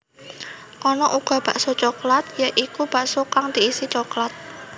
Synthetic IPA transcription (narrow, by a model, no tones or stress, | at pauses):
ʔɔnɔʔuɡ̥a̤b̥a̤ʔsot͡ʃɔklat̪̚jaʔikub̥aʔsokaŋd̪̥iisit͡ʃɔklat̪̚